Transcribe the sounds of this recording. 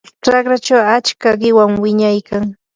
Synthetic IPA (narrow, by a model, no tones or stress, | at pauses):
ʈ͡ʂakɾat͡ʃawat͡ʃkaɢɪwaŋwɪɲajkaŋ